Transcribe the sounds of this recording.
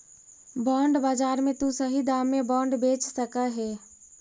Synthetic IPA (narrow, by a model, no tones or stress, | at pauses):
bɔːɳɖbaːd͡ʒaːɾmẽt̪usəɦid̪aːmːebɔːɳɖbeːt͡ʃsəkəɦɛː